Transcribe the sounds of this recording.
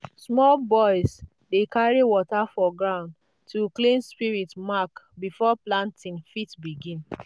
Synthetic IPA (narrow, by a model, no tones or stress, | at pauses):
smɔlbɔɪs | dekaɹiwɔtafɔɡɹãʊ̃nd | tuklĩnspiɹitmakbifɔplãntĩnfitbiɡĩn